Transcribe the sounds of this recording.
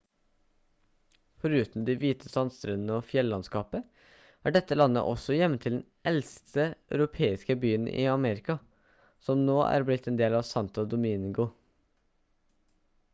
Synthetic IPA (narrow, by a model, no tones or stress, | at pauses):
fɔɾʉːt̪n̩d̪ɪʋiːt̪ʰəsɑnst̪ɾɛnnəoːfjɛlːɑnskɑːpə | ʔæːɖɛt̪ːəlɑnːə̰ʔɔ̰sɔjɛmːət̪ʰɪld̪ɛnʔɛlst̪ʰəœʉɾʊpʰeːɪskəbyːənḭːɑmeːɾɪkɑ | sɔmnoːʔæ̰ɾblɪt̪ɛːnd̪eːlɑʋsɑnt̪əd̪ʊmɪŋɡʊ